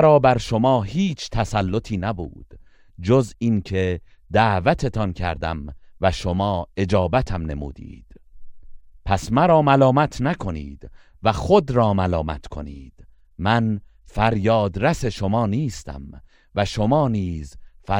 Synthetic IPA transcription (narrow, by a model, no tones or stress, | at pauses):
ɾɒːbæɾʃo̞mɒːhiːt͡ʃʰt̪ʰæsælːo̞t̪ʰiːnæbṵːd̪̥ | d͡ʒozinkʰe | d̪æːvæt̪ʰe̞t̪ʰɒnkʰæɾd̪æ̰mvæʃomɒːe̞d͡ʒɒːbæt̪ʰæmne̞̰mṵːd̪ḭːd̪̥ | pʰæsmæɾɒːmælɒːmæt̪ʰnækʰo̞nḭːd̪ | væxod̪ɾɒːmælɒːmæ̰t̪kʰo̞̰niːd̪̥ | mæn | fæɾjɒːd̪ɾæse̞ʃo̞mɒːniːst̪ʰæ̰m | væʃomɒːniːzfæ